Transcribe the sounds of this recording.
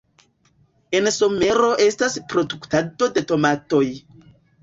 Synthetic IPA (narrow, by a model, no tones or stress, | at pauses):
enso̞me̞ɾo̞ʔe̞staspɾo̞duktado̞de̞to̞mato̞j